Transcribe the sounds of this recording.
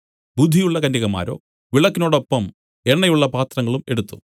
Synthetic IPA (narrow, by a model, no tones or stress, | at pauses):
bud̪ʱːijuɭːɐkɐnːiɣɐma̰ːɾo̞̰ː | ʋiɭɐkːino̞ːɽo̞pːɐm | e̞ɳːɐjuɭːɐpaːt̪rɐŋːɐɭume̞ɽut̪ːu̥̰